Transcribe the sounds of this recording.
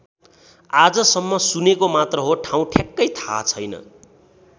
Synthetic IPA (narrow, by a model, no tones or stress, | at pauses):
ad͡zʌsʌmːʌsunekomat̪rʌɦoʈʰaw̃ʈʰjakːʌjt̪ʰa̰t͡sʰʌjnʌ̰